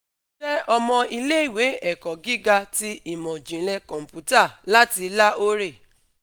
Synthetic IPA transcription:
ɛ˦ɔ˧mɔ̃˧i˧le˦i˦˨we˨˦ɛ˨kɔ˨ɡi˦ɡa˧ti˦i˦˨mɔ̃˨d͡ʒĩ˨˦lɛ˧kɔ̃˨m̩˨pu˨˦ta˦˨la˦ti˧la˦o˦ɾe˦˨

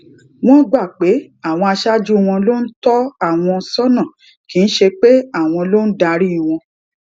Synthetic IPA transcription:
w̃ɔ̃˦ɡ͡ba˦˨k͡pe˨˦ | a˦˨w̃ɔ̃˧a˧ʃa˦d͡ʒu˦˨w̃ɔ̃˧lo˦n̩˦tɔ˦a˦˨w̃ɔ̃˧sɔ˦nã˦˨ | ki˨˦ñ̩˦ʃe˧k͡pe˦a˦˨w̃ɔ̃˧lo˦n̩˦da˧ɾi˦˨w̃ɔ̃˧

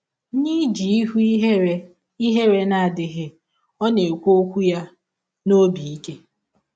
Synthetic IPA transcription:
ɲi˦d͡ʒi˨i˦ɦu˦ɦe˦ | i˦ɦe˦ɾe˨na˨a˨dɪ˨ɣɪ˨ | ɔ˦ne˨kʷo˦kʷu˦ja˦ | no˦bi˨i˦ke˦

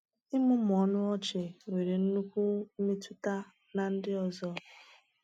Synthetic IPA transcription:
ɪ˦mʊ˦m˨ɔ˨nʊ˦ɔ˦t͡ʃɪ˨we˨ɾe˨n̩˦nu˦kʷu˦m̩˦me˦tu˦ta˦ | na˨n̩˦dɪ˦ɔ˨zɔ˦

